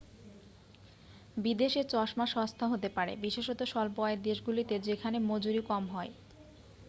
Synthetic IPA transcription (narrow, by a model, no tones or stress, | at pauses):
bid̪eʃet͡ɕɔʃmaʃɔst̪ʰaɦot̪epaɾḛbiʃeʃɔt̪oʃɔlpɔeeɾd̪eʃɡulit̪ed͡ʑekʰanemod͡ʑuɾikɔmɦɔe